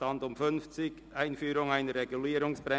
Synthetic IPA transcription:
ɑndʊmfʏnft͡sɪkʔaɪnfyːɾʊŋaɪnəɾʁeɡuliːɾʊŋsb̥ʁɛ

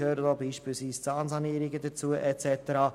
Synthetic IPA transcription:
høːɾədoːbiːʃpiːlsviːst͡sɑːnsɑniəɾɪɡəd̪ət͡suəʔɛt͡sɛt̪əɾɑː

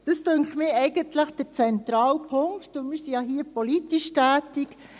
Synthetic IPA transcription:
d̥ɑstøŋkχmɪɛɪɡənt̪ləχd̥əɾt͡sɛntɾɑːlpʰʊŋktʊmɪɾsijɑɦiːəpʰɔlitiʃtæːtik

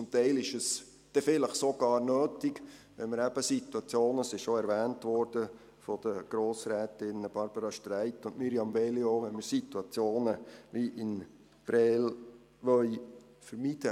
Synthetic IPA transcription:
t͡sʊmt̪æɪlɪʃəs | d̪̥ɛfɪləχsoɡ̥ɑːɾnøːtɪk | ʋɛnməɾæb̥əsit̪uɑt͡sjoːnəsɪʃoɛɾvæːntʋɔɾd̥ə | fɔd̥̪əɡ̥ɾoːsɾɛːtɪnb̥ɑɾb̥əɾɑʃtɾæɪtːʊntmiɾjɑmvɛlioʋɛnməɾsit̪uɑt͡sjoːnəʋiʔɪn | pɾɛːl | ʋœʏ | fəɾmid̥ə

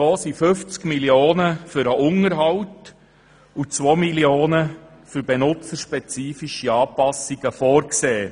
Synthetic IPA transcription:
ɔːsiføft͡skmiljoːnəfʏɾəʔʊŋəɾɦɑwt | ut͡sʋomiljoːnə | fyɾbenʊt͡səɾʃpɛt͡siːfiʃiɑːpɑsiɡ̥əfɔːɾkseː

